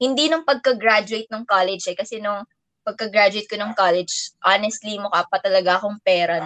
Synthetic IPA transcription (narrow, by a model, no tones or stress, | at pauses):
hɪnd̪iːnʊŋpɐɡ̚kɐɡɹad͡ʒʊejt̪̚nɐŋkalɛd͡ʒɛkɐsɛnʊŋ | pɐɡ̚kɐɡɾad͡ʒʊwejt̪̚konɐŋkalɛd͡ʒʔanɛst̪limʊkaːpɐt̪ɐlɐɡaɐkoŋpɛːɾɐ